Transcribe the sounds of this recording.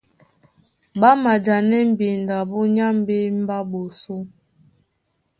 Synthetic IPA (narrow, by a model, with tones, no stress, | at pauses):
ba˦ma˨d͡ʒa˨nɛ˦m̩˦bi˨n̩˨da˨bu˦ɲa˦m˦bi˦m̩˦ba˦bo˨su˦